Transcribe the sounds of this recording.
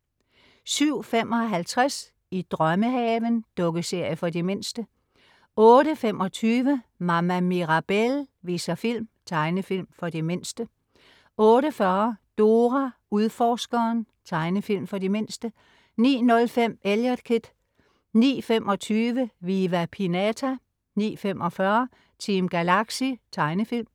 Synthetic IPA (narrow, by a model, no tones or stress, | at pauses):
syʊ̰fem̰ʔɒ̽ɦælt͡sʰʁas | id̥ʁɶməɦɛːʋənd̥ɔ̽ɡ̥əse̝ɐ̰jəfɒ̽dime̝nsd̥ə | ɔ̽ːɾəfem̰ʔɒ̽t͡sʰyːʋəmɑ̈mæmiʁɑ̈b̥elʋiːsɐfil̰mt͡sʰɑ̈ɪnəfil̰mfɒ̽d̥eme̝n̰sd̥ə | ʔɔ̽ːɾəfɶːɐd̥o̝ːʁæ | uðˠfɒːsɡ̥ɐːn | t͡sʰɑ̈ɪnəfil̰mfɒ̽dime̝nsd̥ə | nḭːnɔ̽lfem̰eljɑd̥kʰid̥ | nḭːfemʔɒ̽t͡sʰyːʋəʋiːʋæpʰinæt͡sʰæ | nḭːfemʔɒ̽fɶɐ | t͡sʰiːmɡ̥ælɑ̈ɡ̥sit͡sʰɑ̈ɪnəfil̰m